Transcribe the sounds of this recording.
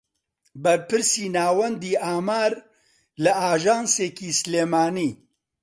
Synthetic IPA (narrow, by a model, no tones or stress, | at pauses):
bɐɾpɨɾsiːnaːwɐnd̪iːʔaːmaːɾ | lɐʔaːʒaːnseːkiːsleːmaːniː